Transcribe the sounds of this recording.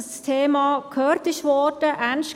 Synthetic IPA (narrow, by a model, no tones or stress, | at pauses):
st̪ʰeːmɑːkʰœːɾt̪ɪçʋɔdəʔænʃ